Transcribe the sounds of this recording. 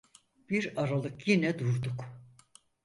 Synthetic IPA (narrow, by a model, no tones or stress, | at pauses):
b̥iɾaɾalˠɯkjinɛd̪uɾd̪uk